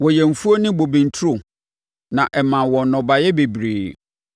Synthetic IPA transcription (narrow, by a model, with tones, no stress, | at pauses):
wɔ˨jɛ˨m̩˨fu˦o˦nɪ̃˦bo˨bĩ˨n̩˨tʰu˦ɾo˨ | nã˨ʔɛ˨mã˨wɔ̃˨˦nɔ̃˨ba˨jɛ˦be˨bɾiː˨